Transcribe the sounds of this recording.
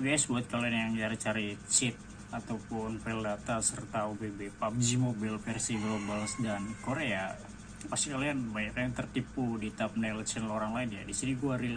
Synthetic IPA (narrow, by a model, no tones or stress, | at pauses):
ɡasbuat̪̚kalianjaŋt͡ʃaɾit͡ʃaɾit͡ʃɪp̚ | at̪awpʊnfɛldat̪asərt̪aubebepap̚d͡ʒimobɪlfɛrsivlobalsdankoɾea | past̪ikalianbaɲakaaŋt̪ərt̪ipudit̪ap̚nalt͡ʃɛnloɾaŋlaɪnja̰disiniɡuaɾi